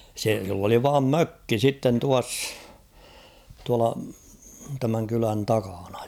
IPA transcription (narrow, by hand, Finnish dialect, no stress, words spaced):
se silː oli ʋɑːm møkːi sitːen tuɑsː tuɑlɑ tæmæŋ kylæn tɑkɑn̥ɑ̥